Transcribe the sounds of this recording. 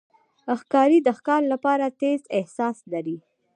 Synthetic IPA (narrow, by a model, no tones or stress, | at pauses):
əxkɑɾid̪əxkɑɾlapɑɾat̪ezɪhsɑslaɾi